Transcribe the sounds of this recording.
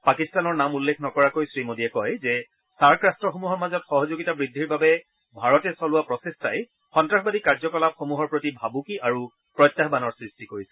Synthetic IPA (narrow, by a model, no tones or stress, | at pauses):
pakistanɔɹnamulːekʰnɔkɔɹakojsɹimodiɛkɔjzɛ | saɹkɹastɹɔxomuɦɔɹmazɔtxɔɦɔzoɡitabɹidʱːiɹbabɛ | bʱaɹɔtɛsɔlʊwapɹɔsestaj | xɔntɹaxbadikaɹzɔkɔlap̚xomuɦɔɹpɹotibʱabukiaɹu | pɹɔjtːaɦbanɔɹsɹistikoɹisɛ